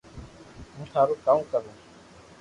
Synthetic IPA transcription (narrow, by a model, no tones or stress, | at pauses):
ɦũːt̪ʰaːɾoːkaːũːkəɾõː